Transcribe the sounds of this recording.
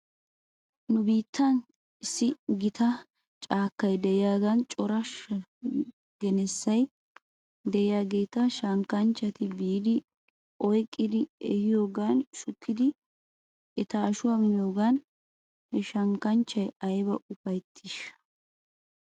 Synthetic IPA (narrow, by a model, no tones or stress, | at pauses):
nʊbiːt̪ʰːɐn | ɪsːɪɡɪt̪ʰɐ | t͡ʃʼaːkːɐjd̪ɛɪjaːɡɐnt͡ʃʼɔɾɐ | ɡɛnɛsːɐj | d̪ɛɪjaːɡe̞ːt̪ɐʃɐŋkɐnt͡ʃːɐt̪ɪbiːd̪ɪ | ʔɔjkʼːɪd̪ɪɛhɪjo̞ːɡaːnʃʊkʰːɪd̪ɪ | ɛt̪ɐːʃʊwɐmɪnjo̞ːɡan | hɛʃɐŋkɐnt͡ʃːɐjɐjbɐʔʊfɐjt̪ʰːɪʃɐ̥